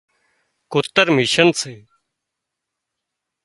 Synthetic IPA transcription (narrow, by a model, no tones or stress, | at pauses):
kʊt̪ːəɾmiʃənseː